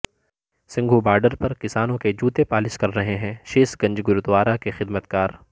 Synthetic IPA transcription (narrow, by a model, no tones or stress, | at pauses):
sɪ̃ŋɡʱubaːɾɖəɾpɐɾkɪsaːnõked͡ʒuːt̪epaːlɪskɐɾːɐɦeɦɛ̃ːʃeːsɡɐ̃ɲd͡ʒɡʊɾʊt̪ʋaːɾakexɪd̪mət̪kaːɾ